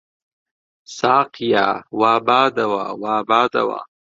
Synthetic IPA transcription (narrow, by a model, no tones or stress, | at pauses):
sɑːqja̰wɑːbɑːd̪awawɑːbɑːd̪a̰wa̰